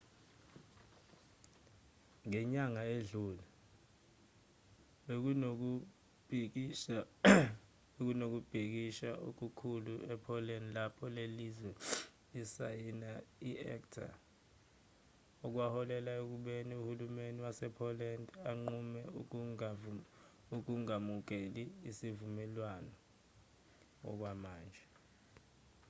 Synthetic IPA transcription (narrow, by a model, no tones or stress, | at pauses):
ŋɛɲaŋaeɮuːla | ɓek̬uk̬u̥ | k | ek̬unok̬ub̥ʱik̬iʃaok̬ukʰuluʔɛpʰɔlɛndlapʰɔlelizwɛ | isajinaiɛ̰ktʰa̰ | ɔk̬wahɔlɛlaek̬uɓeniuhulumeniwasɛpʰɔlɛndʱaŋ͡ǃumɛ | uk̬uŋamuk̬eliːsivumɛlwanɔ | ɔ̰k̬wamaːnd͡ʒʱɛ